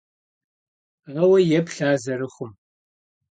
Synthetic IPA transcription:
ʁɐwɐjɛpɬaːzɐɾɨχʷʊm

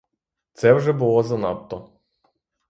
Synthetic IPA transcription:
t̪sɛwʒɛbʊlˠɔzɐnɑ̰pt̪ɔ

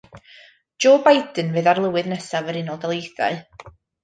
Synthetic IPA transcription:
d͡ʒ̥oːbajdənvɨːðarlˠəwɨðnɛsavəɾɪnɔlˠdɛlˠejθa̰ɨ

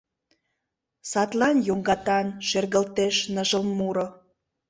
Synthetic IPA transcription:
sɑt̪lɑnjoŋɡɑt̪ɑnʃerɣəlt̪eʃnəʒəlmuɾo

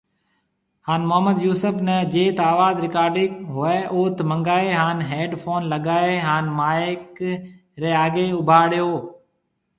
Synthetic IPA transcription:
haːnmʊɦəmːəd̪juːsəfnəd͡ʒeːt̪aːʋaːzɾɪkaːɾɖɪkɦʊeːʔoːt̪mə̃ŋɡaːeɦaːnɦeːɖfʰoːnləɠaːeɦaːnmaːɪk | ɾeːaːɡeːʊbʱaːɽjoː

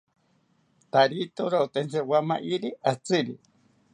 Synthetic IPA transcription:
t̪aɾit̪oɾaut̪ent͡sewamaʔiɾiʔat͡sɨɾi

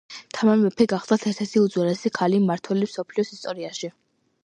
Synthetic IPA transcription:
t̪ʰamaɾbɛpʰɛɡaχd̪at̪ʰɛt̪ʰɛsiud̪zwɛlɛsikʰalimaɾt̪ʰwɛlimsɔpʰliɔsist̪ʼɔɾiaʃi

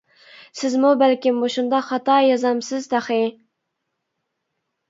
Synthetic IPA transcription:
sɪzmubælkʲɪmboʃund̪ɑχɑt̪ɑjɑzɑmsɪzt̪æχe

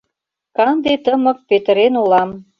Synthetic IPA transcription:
kɑnd̪et̪əmɤ̆k̚pet̪ə̆ɾenulɑm

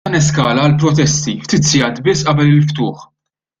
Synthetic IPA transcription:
ɐnɛskɐːlɐːlpɾɔt̪ɛst̪ift̪ɪt̪sijɐːt̪bɪsːʔɐbɛlɪlft̪ʊːħ

